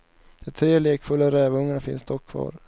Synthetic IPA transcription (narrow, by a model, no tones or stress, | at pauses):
d̪̥ɛt̪ʰɾeːleːkfɵlːaɾɛːvɵŋːanafɪ̰nsd̪ɔkʰːvɑ̰ːɾ